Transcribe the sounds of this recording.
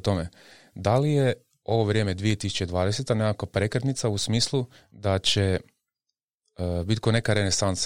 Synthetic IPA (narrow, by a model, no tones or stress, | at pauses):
t̪o̞me | d̪alije | o̞ʋo̞ʋɾʲjeme̞d̪ʋie̞t̪isu̥t͡ʃed̪ʋaːd̪eset̪anekakapɾe̞kɾet̪nit̪sausmiːslˠud̪at͡ɕe | bit̪̚kone̞kaɾenesans